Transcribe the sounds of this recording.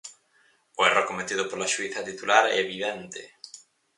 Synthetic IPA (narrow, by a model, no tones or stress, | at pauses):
oɛrekomet̪iðʊpoɾlaʃuiθɐt̪it̪ulaɾɛ̰βiðɛnt̪ḛ